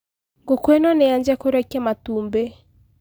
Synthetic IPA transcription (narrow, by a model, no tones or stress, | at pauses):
ŋɡokwenɔneaɲd͡ʒɛkoɾɛkɛmatuːmbe